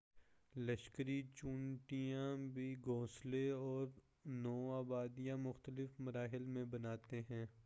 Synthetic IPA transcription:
ləʃkəɾit͡ʃũːɳʈijãbʱiɡõːsleɔːɾ | nɔːaːbaːd̪ijãmʊxt̪əlɪfmɐɾaːɦɪlmẽbɐnaːt̪eɦɛ̃ː

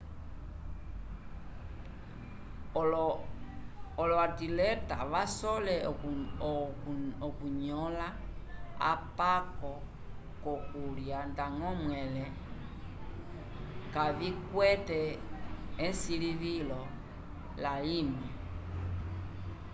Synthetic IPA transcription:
ɔlɔatilɛta̰βasɔlɛ | ɔkuɲɔlaa̰pakɔ | kɔkuljandaŋɔmwɛlɛ | kaβikwɛtɛː | nsiliβilɔ | lalimɛ

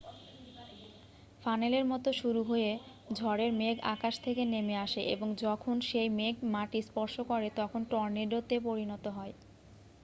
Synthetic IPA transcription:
faneleɾmɔt̪oʃuɾuɦoje | d͡ʑʱɔɾeɾmeɡa̰kaʃt̪ʰekenemeaʃeʔḛboŋd͡ʑɔkʰonʃejmeɡmaʈispɔɾʃokɔɾet̪ɔkʰonʈɔɾneɖot̪epoɾinɔt̪oɦɔe

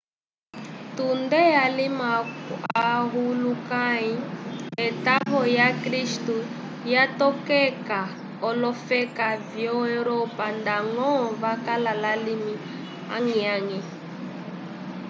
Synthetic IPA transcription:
tundɛalimaaɦulukaiɛtaɦɔjakɾistu | jatɔkɛka | ɔlɔfɛkavjɔɛɾɔpandaŋɔvakalalalimi | a̰ŋiaŋi

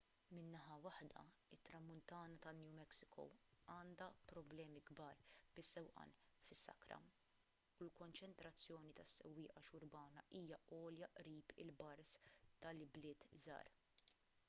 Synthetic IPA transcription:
mɪnːɐħɐwɐħd̪ɐ̰ | ɪt̪ːɾɐmːʊnt̪ɐːnɐt̪ɐnːjuːmɛksɪ̥kʰɔ̰wɐːnd̪ɐpɾɔblɛːmiɡbɐːɾb̥ɪsːɛwʔɐ̰nfɪsːɐ̰kɾɐ̰ | ulkɔnt͡ʃɛnt̪ɾɐt͡sːjɔːnit̪ɐsːɛ̰wːɪːʔɐʃʊɾbɐːnɐʔiːjɐɔːljɐʔɾiːpɪ̰lbɐɾst̪ɐlɪblɪːt̪zɐ̰ːɾ

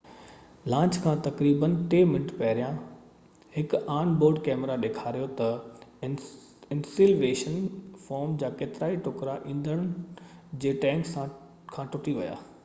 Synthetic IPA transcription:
lãːt͡ɕkʰãːt̪ɐkɾiːbənʈeːmɪnəʈpɐɦɪɾijã | hɪkaːnboːɾɖkɛːmɾaɗeːkʰaːɾijot̪ɐ | ɪnsiːlʋeːʃənfɔːɾmd͡ʑaːkeːt̪ɪɾaːiʈʊkɾaʔĩːn̆d̪əɽ̃d͡ʑeːʈɛ̃ːŋksã | kʰãːʈʊʈiʋɐ̰ja̰ː

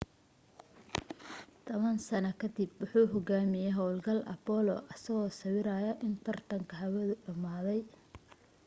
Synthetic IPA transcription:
t̪ʰɔβɐnsɐnɐkʰɐd̪ɪbwʊħuːɦɔɡaːmɪjɛɦɔwlɡɐlʔɐ̰pɔlɔ̰ʔɐsɐɣɔːsɐwɪɾajɐʔɪnt̪ʰɐrt̪ʰɐŋkʰɐɦɐwɐðʊɖɐmaːðɛj

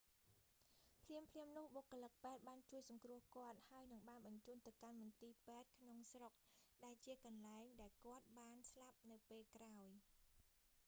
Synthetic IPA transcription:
pʰliəmpʰliəmnʊ̆əhɓokːolək̚pɛːt̪̚ɓaːnt͡ɕuəjsɑŋkrʊ̆əhkŏət̪̚haəjnɨŋɓaːnɓɑɲt͡ɕuːnt̪ɨwkanmɑnt̪iːpɛːt̪̚kʰnoŋsrok̚ɗaɛlt͡ɕiəkɑnlaɛŋɗaɛlkŏət̪̚ɓaːnslap̚nɨwpeːlkraɔj

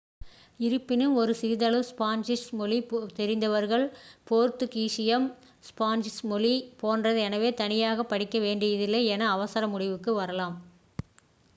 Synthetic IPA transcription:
ɪɾɯpːɪnɯmɔɾɯsɪɾɯðɐlɯspaːnd͡ʒɪsmɔlit̪ɛɾɪnd̪ɐʋɐɾɣɐɭpoːɾt̪ɯkiːʂɪjɐm | spaːnd͡ʒɪsmɔlipoːndrɐðɯɛnɐʋeːt̪ɐnɪjaːɣɐpːɐɽɪkːɐʋeːɳɖɐɪðɪlːeɛnɐːʋɐsɐɾɐmʊɽɪʋɯkːɯʋɐɾɐlaːm

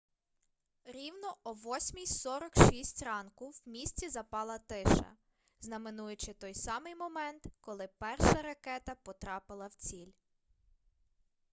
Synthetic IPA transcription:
ɾʲiwnɔʔɔʋɔsʲmʲijsɔɾɔkʃisʲtʲrɑnkʊwmʲisʲt͡sʲizɐpɑlˠɐt̪ɪʃɐ̰ | znɐmenujʊt͡ʃɪt̪ɔjsɑmɪjmɔmɛnt̪kɔlˠɪpɛrʃɐɾɐkɛt̪ɐpɔt̪ɾɑpɪlˠɐwt͡sʲilʲ

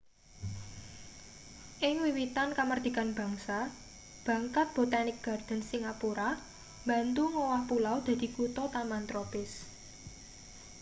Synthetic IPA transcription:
ʔɪŋwiwit̪ankamərd̪̥i̤kanb̥ä̤ŋsa | b̥ä̤ŋkat̪̚b̥o̤t̪anɪk̚ɡ̥a̤rd̪̥ə̤nsiŋapuɾa | mba̤nt̪uŋowahpulawd̪̥ä̤d̪̥i̤kut̪ɔt̪amant̪ɾopɪs

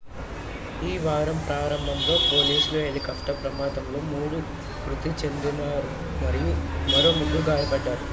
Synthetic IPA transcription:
iːʋaːɾɐmpɾaːɾɐmbʱɐmlo̞ːpo̞ːliːsloːenikɐfʈɐpɾɐmaːd̪ɐmlo̞ːmuːɽu | kɾut̪it͡ʃe̞nd̪inaːɾu | mɐɾijumɐɾo̞ːmund̪uɡaːjɐpɐɖːaːɾu

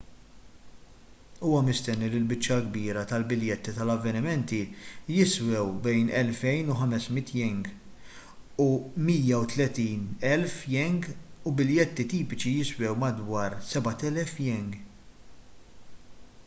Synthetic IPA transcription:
uːwɐmɪst̪ɛnːilɪlbɪt͡ʃːɐɡbiːɾɐt̪ɐlbɪljɛt̪ːit̪ɐlɐvːɛnɪmɛnt̪ijɪswɛwbɛjnɛlfɛjnuħɐmɛsmɪt̪ːjɛŋɡ | umiːjɐut̪lɛt̪iːnɛlfjɛŋɡubɪljɛt̪ːit̪iːpɪt͡ʃijɪswɛwmɐd̪wɐːɾsɛbɐt̪ɛlɛfjɛŋɡ

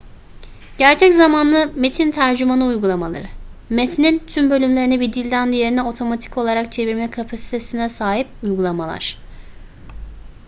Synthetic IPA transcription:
ɟ̥æɾt͡ʃʰɛczamanlˠɯmet̪ʰint̪ʰæɾd͡ʒymanɯujɡulˠamalˠa̰ɾɯmet̪ʰinint̪ʰymbø̞lʲymlʲe̞ɾinɛbid̪ilʲd̪ænd̪ijeɾinɛo̞t̪ʰo̞mat̪ʰi̥co̞lˠaɾakt͡ʃʰe̞viɾmɛkʰapʰasi̥t̪ʰe̞sinɛsaːɦip̚ujɡulˠamalˠa̰ɾ̥

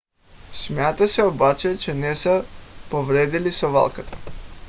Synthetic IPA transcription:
smʲjat̪asɛobat͡ʃɛt͡ʃɛnɛsəpovɾɛd̪ilisova̰lˠkat̪ʰḁ

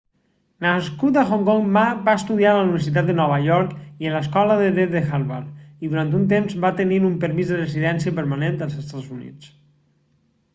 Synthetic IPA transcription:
naskut̪əxoŋkɔŋmabaəst̪uðialəuniβəɾs̬it̪at̪̚d̪ənɔβ̞əʎɔɾkiələskɔləðəðeəxaɾβaɾiðuɾant̪unt̪emzβat̪əniɾumpəɾmizðərəziðɛnsiəpəɾmanend̪əlˠzəst̪azunḭt͡s

